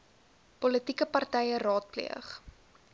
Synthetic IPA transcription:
pɔlətikəpɐrtɛjərɑːt̚plḭəχ

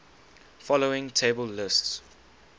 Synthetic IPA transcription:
fɔloɪ̃ŋtʰeɪbəlːɪsts

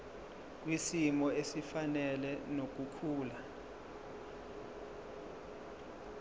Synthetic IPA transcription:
k̬ʼwisimɔesifanɛlɛnok̬ʼukʰuːla

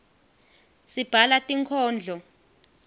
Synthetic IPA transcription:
sib̥ʱalatʼiŋkʰɔːnd͡ɮʱɔ

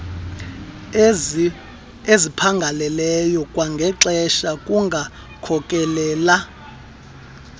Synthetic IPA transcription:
ezipʰaŋɡʱalɛlɛjɔkʼwaŋɡʱɛǁɛʃakʼuŋɡʱa | kʰɔkʼɛlɛːla

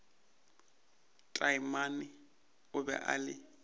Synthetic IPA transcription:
tʼaimanɪ | ʊbɛ̰ʔa̰lɪ

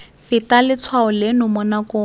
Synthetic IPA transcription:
fɪtalɪt͡sʰwaʊlenʊmʊnakʊ

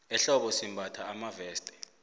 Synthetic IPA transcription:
ɛɬɔɓɔsimbʱatʰaːmavɛːstʼɛ̥

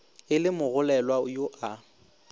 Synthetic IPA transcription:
ɪlɪmʊɣʊlɛlwajoʔa

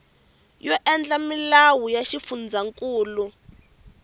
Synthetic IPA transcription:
jɔʔɛnd͡ɮamilawujaʃifund͡zaŋkʼuːlu

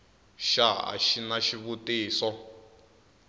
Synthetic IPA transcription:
ʃaa̰ʃinaʃiβutiːsɔ

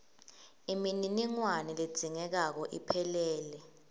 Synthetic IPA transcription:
imininiŋwanɛled̥d͡z̥ʱiŋɛk̬ak̬ɔʔḭpʰɛlɛːlɛ

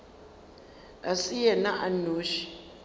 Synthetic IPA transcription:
asijɛnaʔanoːʃi̥

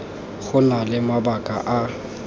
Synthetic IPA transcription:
ɣʊnalɪmabakʼaʔa

